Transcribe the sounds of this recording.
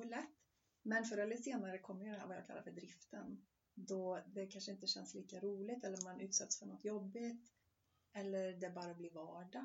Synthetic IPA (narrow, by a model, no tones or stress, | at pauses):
lɛt̪ː | mɛnfœɾɛlɪseːnaɾəkʰɔmːəɾjɵd̪ɛnɦæ̰ːɾvaja̰ːkʰalːa̰ɾfœɖɾɪft̪ən | d̪ɔd̪ɛkʰanʂəɪnt̪əɕɛnsliːkaɾuːlɪt̪ɛlːəɾmanʉ̟ːt̪sɛt̪ːsfœɳɔt̪ːjɔbːɪt̪ | ɛlːəɾd̪ɛbɑːɾabliːvɑːɖa